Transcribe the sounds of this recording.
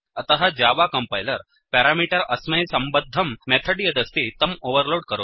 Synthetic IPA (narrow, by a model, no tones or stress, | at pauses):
ət̪əɦad͡ʑaʋakəmpajləɾ | pɛɾamiʈəɾəsməjsəmbəd̪ʱːəmːɛt̪ʰəɖijəd̪əst̪it̪əmoʋəɾloɽ̚kəɾo